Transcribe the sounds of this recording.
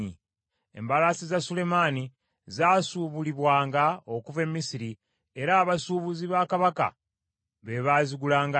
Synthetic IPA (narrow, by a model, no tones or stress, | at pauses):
ḭ | ḛmbalasizasule̞mani | zaːsuβuliβwaːŋɡaokuve̞mːisiɾi | e̞ɾaːβasuːβuziβaːkaβaka̰ | βe̞βaːziɡulaːŋɡa